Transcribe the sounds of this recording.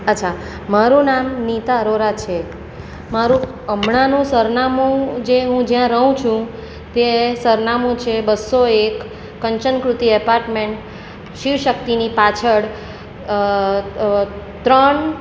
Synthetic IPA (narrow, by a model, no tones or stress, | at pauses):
ətːt͡ʃʰa | maɾũnamnit̪aɾoɾat͡ʃʰe | maɾũ | əmɳanũsəɾnamũd͡ʒeɦũd͡ʒjãɾəɦũt͡ʃʰũ | t̪esəɾnamũt͡ʃʰebəsːoekː | əɲt͡ʃənkɾut̪iɛpaɾʈmeɳʈ | ʃiʋʃək̚t̪inipat͡ʃʰəɽ | t̪ɾəɳ